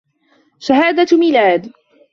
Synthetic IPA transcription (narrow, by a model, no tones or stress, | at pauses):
ʃaɦaːd̪amiːlaːd̪